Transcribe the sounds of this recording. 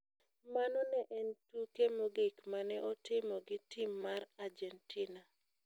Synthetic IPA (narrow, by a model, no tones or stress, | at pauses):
manɔnɛʔɛntukemoɡɪkmanɛʔɔtɪmɔɡɪtʰɪmːarard͡ʒɛntʰina